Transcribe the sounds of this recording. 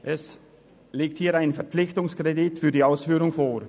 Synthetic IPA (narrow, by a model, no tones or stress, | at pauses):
ʔɛs | leːk̚thiːaɪnfɛɐpp͡flɪçtʊŋskʁ̥edɪtfyːɐdiːaʊsfyːʁʊŋfoːʁ